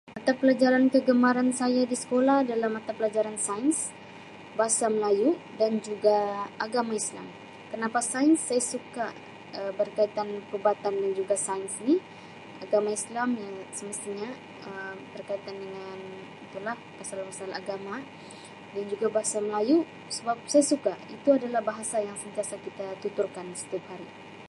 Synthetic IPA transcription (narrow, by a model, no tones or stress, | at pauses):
mat̪apəlad͡ʒaɾankəɡəmaɾansajadisə̥kolahdalamat̪apəlad͡ʒaɾansains | baɦasaməlajuʔdand͡ʒuɡaʔaɡamaisla̰m | kənapasainsːajasukaʔ | əbərkait̪anpəɾubat̪andand͡ʒuɡasainsini | aɡamaislamjaŋsəməst̪iɲa | ət̪ərkait̪andəŋan | it̪ulahpasalpasala̰ɡama | dand͡ʒuɡabaɦasaməlaju | səbap̚sajasukait̪uadalahbaɦasajaŋsənt̪iasakit̪at̪ut̪urkansə̥t̪iap̚haɾi